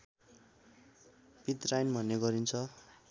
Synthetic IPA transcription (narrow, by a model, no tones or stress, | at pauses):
bit̪rajnbʱʌneɡʌɾint͡sʰʌ